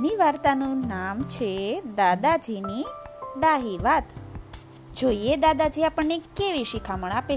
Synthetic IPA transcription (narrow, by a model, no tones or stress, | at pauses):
niʋaɾt̪anuːnamt͡ɕed̪ad̪ad͡ʑinid̪aɦiʋat̪ | d͡ʑʱojed̪ad̪ad͡ʑiːapəɳekːeʋiɕikʰamɽ̃ape